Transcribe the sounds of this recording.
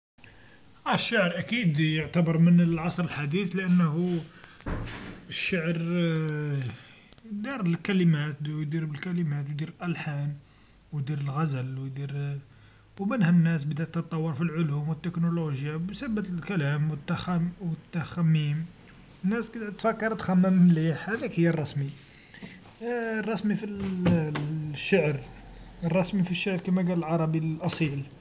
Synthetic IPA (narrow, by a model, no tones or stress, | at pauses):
ʔæʃːaʕɾʔækid̪jʊʕt̪æbəɾˤmənəlʕɑsˤɾəlħad̪iθləʔənːhu | əʃːaʕɾ | d̪iɾlkæləmæt̪jd̪iɾbəlkæləmæt̪wd̪iɾlʔælħan | wd̪iɾəlɣæzəlwd̪iɾ | wmənhænːæsbəd̪æt̪ːət̪ˤːɑwːəɾfilʕʊlumwət̪ːəknoloʒjabsæbːət̪əlkælæmwət̪ːaxwət̪ːæxæmːim | nːæskd̪ʕt̪fækːɑɾˤt̪xæmːəmliħhæd̪ækhəjːərˤːɑsmi | rˤːɑsmifil | ʃːaʕɾrˤːɑsmifiʃːaʕɾkimæɡæləlʕɑɾˤɑbilʔɑsˤil